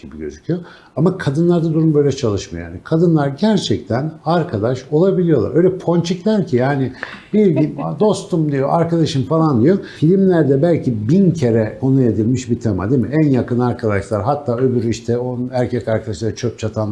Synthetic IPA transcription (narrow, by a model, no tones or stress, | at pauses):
ibiɟø̞̰zycʰyjo | amakʰad̪ɯnlˠaɾd̪ad̪uɾumbø̞jlʲɛt͡ʃʰalˠɯʃmajo̰jaːnikʰad̪ɯnlˠaɾɟæɾt͡ʃʰɛc̚t̪ʰænaɾkʰad̪aʃo̞lˠabilʲijo̞lˠa̰ɾø̞jlʲɛpʰo̞nt͡ʃʰiclʲæɾcʰijaːnɪb̥iɾɟimd̪o̞st̪ʰumd̪ijo̞̰ʔaɾkad̪aʃɯmfalˠand̪ijo̞filʲimlʲæɾd̪ɛbælʲcʰibincʰe̞ɾɛkʰo̞nued̪ilʲmiʃbit̪ʰama̰d̪imiænjakɯnaɾkʰad̪aʃlˠaɾɦat̪ʰːaːø̞byɾiʃt̪ʰɛoæɾcʰɛcaɾkʰad̪aʃlˠaɾt͡ʃʰøp̚t͡ʃʰat̪ʰan